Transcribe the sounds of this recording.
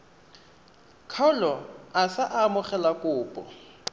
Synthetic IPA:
kʰɔlɔasaʔamʊχɛlakʼʊːpʼɔ

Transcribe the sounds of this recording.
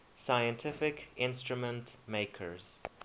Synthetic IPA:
sajə̃ntʰɪfɪkɪ̃nstɹumə̃ntmeɪkʰə̰ɹz̥

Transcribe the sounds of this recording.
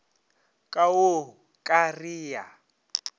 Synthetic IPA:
kʼawo | kʼariːja̰

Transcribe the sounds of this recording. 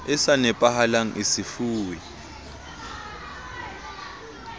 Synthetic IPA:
ɪsanɛpʼahalaŋ̩ʔisifuːwi

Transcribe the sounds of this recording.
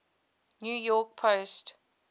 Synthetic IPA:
njuːjɔk̚pʰost

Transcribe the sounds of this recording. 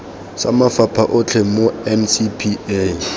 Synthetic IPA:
samafapʰaʔʊt͡ɬʰemoɛmsipʰie

